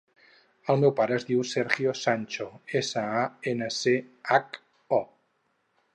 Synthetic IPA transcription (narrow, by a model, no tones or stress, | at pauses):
əlˠmewpaɾəːzðiwsɛɾɣiosanʲt͡ʃoesəaenəseak | ɔ